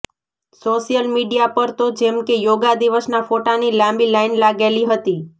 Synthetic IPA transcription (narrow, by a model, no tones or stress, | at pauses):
soʃijəlmiɖijapəɾt̪od͡ʒɛmkejoɡad̪iʋəsnafoʈanilãmbilainlaɡeliɦət̪i